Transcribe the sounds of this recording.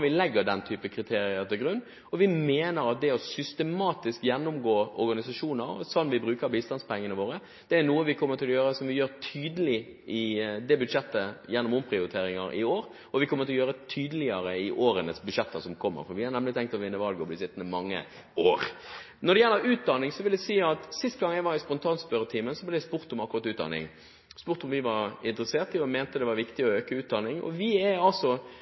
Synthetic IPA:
ʋɪlɛɡːəɖɛnt̪ʰyːpəkʰɾɪt̪ʰeːɾɪəɾt̪ɪlɡɾʉnː | ɔʋɪmeːnəɾɑt̪̚d̪ɛɔsʏst̪əmɑːt̪ɪskjɛnːʊmɡoːɔɾɡɑnɪsɑʂuːnəsɔnːʋɪbɾʉːkəɾbiːst̪ɑnspʰɛŋːənəʋoːɾə | d̪̥ɛæɾnuːəʋɪkʰɔmːəɾt̪ʰɪlɔjøːɾəsɔmʋɪjøːɾt̪ʰyːd̪əlɪ | ʔɪd̪ɛbʉd̪ʂɛt̪ːəjɛnːʊmʊmpʰɾɪʊɾɪt̪ʰeːɾɪŋɑɾʔɪ̰oːɾ | ɔʋɪkʰɔmːəɾt̪ɪlɔjøːɾət̪ʰyːd̪əlɪəɾəɪʔoːɾənəsbʉd̪ʂɛt̪ʰːəsɔmkʰɔmːə̰ɾfɔɾʋɪhɑɾnɛmlɪt̪ʰɛŋkt̪ɔʋɪnːəʋɑlɡəɔblɪsɪt̪ːnəmɑŋːə̰ | oːɾ | nɔd̪ɛjɛlːəɾʉːt̪̚d̪ɑnɪŋsɔʋɪld̪ɛsiːɑt̪sɪst̪ɡɑŋjæɡʋɑɾɪspɔnt̪ʰɑːnspœɾət̪ʰiːmənsɔblɪjæspʊɾt̪ʊmɑkʊɾɑt̪ʉːt̪̚d̪ɑ̰nɪ̰ŋ | spʊɾt̪ʊmʋɪʋɑɾɪnt̪ɾəseːt̪ɪɔmɛːnt̪əd̪ɛʋɑɾʋɪkt̪ɪɔøːkəʉːt̪̚d̪ɑnɪŋɔ̰ʋɪɛɑlsɔ

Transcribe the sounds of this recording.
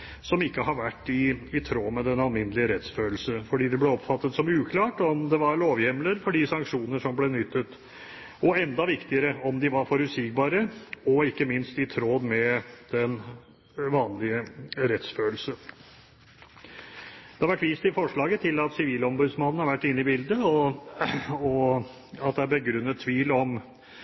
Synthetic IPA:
sɔmɪkːəɦɑɾʋæʈːɪːt̪ʰɾoːmɛd̪ɛnɑlmɪnːəlɪəɾɛt̪sføːl̩səfɔɖiːd̪ɛblɛɔpfɑt̪ːət̪sɔmʉːkʰlɑːʈɔmd̪ɛʋɑɾɭoːʋjɛmləɾfɔɖɪsɑŋkʂuːnəʂɔmblɛnʏt̪ʰːət̪ | ɔɛnd̪ɑʋɪkt̪ɪəɾəɔmd̪ɪʋɑɾfɔɾʉsɪk̚bɑːɾəɔɪkːəmɪnst̪ɪt̪ʰɾoːd̪mɛd̪̥ɛn | ʋɑːnlɪəɾɛt̪sføːlsə | d̪̥ɛhɑɾʋæʈːʋiːst̪ɪfɔʂɭɑːɡət̪ʰɪlɑt̪sɪʋiːlɔmbʉd̪smɑnən̩hɑɾʋæʈːɪnːɪbɪld̪əɔ | ɔ | ɑt̪̚d̪ɛæbəɡɾʉnːət̪ʰːʋiːlɔm

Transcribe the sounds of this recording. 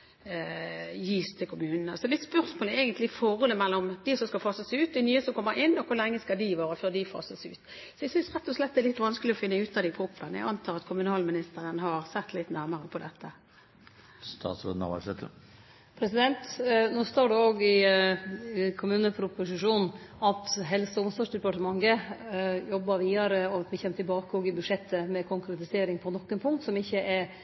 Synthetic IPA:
jiːst̪ʰɪlkʰʊmʉːnənsɔd̪ɪt̪spœɾsmoːləɛɛːɡənt̪lɪfɔʁɔləmɛlːɔmd̪̥ɪsɔmskɑfɑsəsʉːt̪̚d̪ɪnyːəsɔmkʰɔmːəɾɪnːɔkʰʋʊlɛŋːəskɑld̪ɪʋɑːɾəføʁd̪ɪfɑ̰səsʉ̰ːt̪ | sɔɛɡsʏnsʁɛt̪ːɔslɛt̪d̪ɛɾlɪt̪ːʋɑnskəlɪɔfɪnːəʉːt̪ɑd̪ɪpʰʁupːənəjæ̰ʔɑnt̪ʰɑːlɑt̪kʰʊmʉnɑːlmɪnɪst̪əɾənɦɑɾsɛt̪ːlɪt̪ːnæʁməɾəpʰɔd̪ɛt̪ʰːə | st̪ɑ̰ːt̪sɾo̰d̪nɑ̰ʋɑ̰sɛt̪ə̰ | pʰɾɛsɪd̪ɛnt̪nuːst̪oːɖʉoːɡɪ | kʰʊmʉːnəpʰɾʊpʊsɪʂuːnɑt̪ɦɛlsəʊmsɔʂd̪ɛpɑʈəmɑŋːə | jɔbːəɾʋiːɑɾəɔt̪mɪçɛnmːət̪ʰɪlbɑːkəɔːɡɪbʉʂɛt̪ːəmɛkʰʊŋkɾɛt̪ɪseːɾɪŋpʰɔnɔkːənpʰʊŋkt̪sɔmɪçːəʔɛɾ

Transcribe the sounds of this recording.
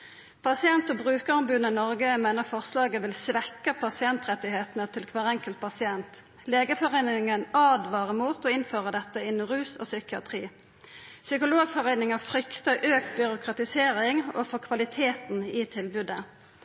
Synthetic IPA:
pʰɑsɪɛnt̪ɔbʁʉːkəʁʊmbʉd̪nənɔʁɡəmeɪnəfɔʁslɑːɡəʋɪlsʋɛkːəpʰɑsɪɛnt̪ʁɛt̪ːɪɦeːt̪ənət̪ʰɪlkʰʋɑːʁɛŋkəlt̪̚pʰɑsɪɛnt̪ | leːɡəfɔʁeɪnɪɪŋənɑːd̪ʋɑːʁəmuːt̪ɔɪnføːʁəd̪ɛt̪ːəɪnːʊʁʉːsɔ̰ːsʏkɪɑ̰t̪ʰʁiː | sʏkʊloːɡfɔʁeɪnɪŋəfɾʏkt̪əʔøːk̚t̪bʏɾʊkʰʁɑt̪ɪseːʁɪŋofɔkʰʋɑlɪt̪ʰeːt̪nɪt̪ʰɪlbʉd̪ə

